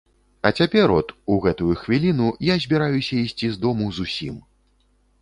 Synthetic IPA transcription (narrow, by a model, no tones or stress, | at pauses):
ɐt͡sʲapʲɛɾɔt̪uɣɛt̪ujuxvʲilʲinujazʲbʲiɾajusʲɐisʲt͡sʲizd̪ɔmuzusʲim